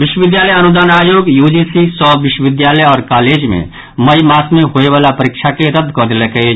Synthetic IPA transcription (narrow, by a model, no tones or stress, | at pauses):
ʋɪʃwəʋɪd̪jaːləjɐnʊd̪aːnaːjoːɡjuːd͡ʒisisɔːʋɪʃwəʋɪd̪jaːləjɔːɾkaːleːd͡ʒmḛ̃ | mɐimaːsmẽɦoːeʋaːlapəɾɪkʃʰakeɾəd̪ʱkəɾd̪lekee